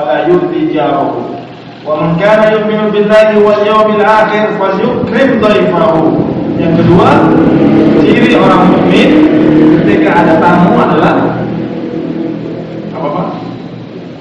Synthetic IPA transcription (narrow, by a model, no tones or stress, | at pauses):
alajʊɾd̪id͡ʒaɾaɦu | wamankaːnajʊʔmɪnubɪlːaɦiwaljawmalʔaxɪrfaljʊkɾɪmd̪ˤɑjfaɦujaŋkədua | t͡ʃiɾiʔɔɾaŋmʊʔmɪnkət̪ikaːdat̪amuanlan | ʔapapa̰